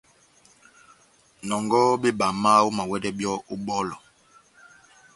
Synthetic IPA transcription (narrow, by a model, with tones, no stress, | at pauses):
nɔ˨ŋɡɔ˦be˦ba˨ma˦wo˦ma˨wɛ˦dɛ˦bjɔ˦u˦ɓɔ˦lɔ˨